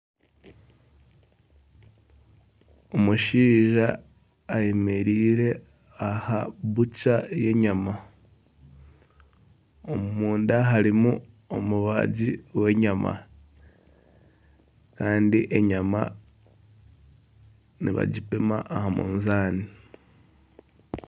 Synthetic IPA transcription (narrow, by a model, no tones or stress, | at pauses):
omuʃiːʒaː | jemeɾiːɾe̞ | ahaβut͡ʃaje̞ɲama | omumuːndaɦaɾimu | o̞muβaɟiwe̞ɲama̰ | kaːndiʔe̞ɲama̰ | niβa̰ɟipema̰ʔːhamṵːnzaːni